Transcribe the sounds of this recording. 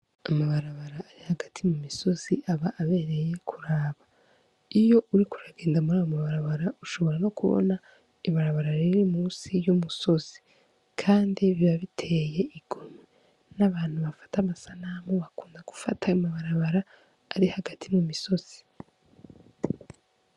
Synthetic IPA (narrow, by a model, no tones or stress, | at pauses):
amaβaɾaβaɾaːɾihaɡatʰimumiso̞z̥iʔaβaʔaβe̞ːɾe̞je̞kʰuɾaːβa | ijo̞ʔuɾikuɾaɡe̞ːndamuɾaːjomaβaɾaβaɾauʃo̞βo̞ɾano̞kuβo̰na | iβaɾaβaɾaɾiɾimuːnsijumuso̞z̥i̥ | kʰaːndiβiaβitʰe̞je̞iɡ̥ome | naβaːn̥huβafḁtamasanaːmoβakuːndaɡ̥u̥fa̰tʰaumaβaɾaβaɾaː | ɾihaɡatʰimumiso̞z̥i̥